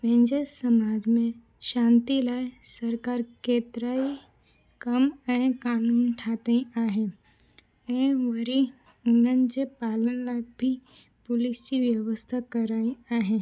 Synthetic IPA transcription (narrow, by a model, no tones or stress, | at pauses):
ʋẽnd͡ʒesəmaːd͡ʒmẽ | ʃãːnt̪ilaːjsəɾkaːɾkeːt̪ɾaːi | kəmɛ̃kaːnuːnʈʰaːt̪eĩaːɦẽ | ɛ̃ʋəɾi | ʊnənd͡ʒepaːlənlaɡ̚bʱi | pʊlɪst͡ʃiʋjəʋəst̪ʰakəɾaːĩaːɦẽ